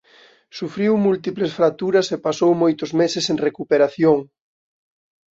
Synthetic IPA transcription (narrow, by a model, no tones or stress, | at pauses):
sufɾiwmult̪iplesfɾak̚t̪uɾɐsepasowmojt̪ʊzmesɪseŋrekupeɾaθjoŋ